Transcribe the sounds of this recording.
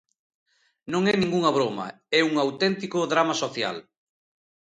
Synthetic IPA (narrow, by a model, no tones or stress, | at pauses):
nõŋɛnĩŋɡuŋɐβ̞ɾomɐ̰ | ɛuŋawt̪ɛnt̪ikʊðɾamasoθja̰l